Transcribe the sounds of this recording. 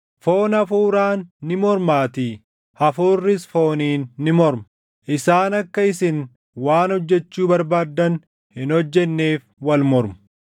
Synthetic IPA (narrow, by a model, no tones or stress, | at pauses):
fo̞ːnɐfuːɾaːnːɪmɔɾmaːt̪i | ɐfuːrːɪsfo̞ːniːnːɪmɔɾm | ʔɪsaːnɐkːɐɪsɪn | waːnhɔd͡ʒːɛt͡ʃːuːbɐɾbaːd̪ːɐn | hɪnɔd͡ʒːɛnːe̞ːfwɐlmɔɾmɐ̥